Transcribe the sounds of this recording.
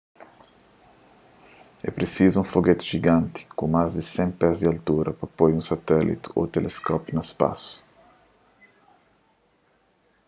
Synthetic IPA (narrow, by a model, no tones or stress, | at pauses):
ɛ̰pɾesizuũfoɡet̪ɪ̥ʒiɡãnt̪ɪ̥kõmazd̪ɪsẽpɛzd̪ɪalt̪uɾɐpɾɐpojũsat̪ɛlḭt̪ɪ̥o̰t̪elʔeskɔpnɐɪspa̰su̥